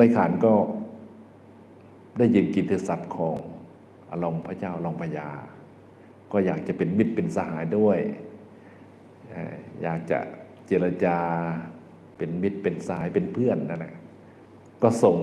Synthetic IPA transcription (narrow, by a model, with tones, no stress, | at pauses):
laː˧˥˦jkʰaː˨˦nkɔː˧˥˩ | daː˥˩jːɯ˨˧nki˨˧˩nt̪ʰɯ˧sa˧˦˩p̚kʰɔː˨˦ŋ | ʔa̰˧lo˧mpʰa˧˩t͡ɕaː˥˨wʔa˧lo˧˩˨mpʰa˧jaː˧ | kɔː˧˥˩jaː˨˩k̚t͡ɕa˧˦pe˨nmi˧˥˩t̪̚pe˨nsa˧ɦaː˩˦jdu˥˩əj | ʔa̰˧˩ja̰ː˨˩k̚t͡ɕa̰˧˩ | t͡ɕe˧˩la˧t͡ɕaː˧ | pe˨˩nmi˧˩t̪̚pe˨nsa˧haː˨˦jpe˨npʰɯ˥˩ənːa˧˩nla˧ | kɔː˧˥˩so˨˦ŋ